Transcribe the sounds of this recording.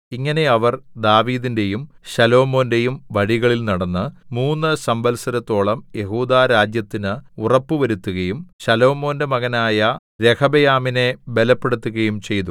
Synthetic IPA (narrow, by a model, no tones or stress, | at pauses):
iŋːɐne̞ɐʋɐrd̪aːʋiːðinde̞jum | ɕɐlo̞ːmo̞ːnde̞jumʋɐɻiɣɐɭilnɐɽɐnːɨmuːnːɨsɐmbɐlsɐɾɐt̪ːo̞ːɭɐmje̞ɦuːd̪aːɾaːd͡ʑjɐt̪ːinɨurɐpːuʋɐɾut̪ːuɣɐjumɕɐlo̞ːmo̞ːnde̞mɐɣɐnaːjɐ | ɾe̞kʰɐbejaːmine̞be̞lɐpːe̞ɽut̪ːuɣɐjumt͡ɕe̞jt̪u